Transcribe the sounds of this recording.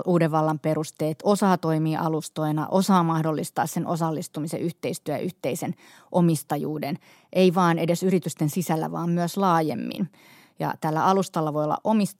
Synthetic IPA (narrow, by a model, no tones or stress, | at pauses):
ʔuːdeʋʋɑlːɑmperust̪eːt̪osɑːt̪oimiːʔɑlust̪oinɑ̰ʔosɑːmɑhdolːist̪ɑːssenʔosɑlːist̪umisḛʔyht̪eist̪yæjɑ̰ʔyht̪eisen | ʔomist̪ɑjṵːden | ʔeiʋɑːnedesyrit̪yst̪ensisælːæ̰ʋɑ̰ːmmyøslɑːjḛmːḭn | jɑ̰t̪ælːæ̰ɑlust̪ɑlːɑʋoiolːɑ̰ʔomis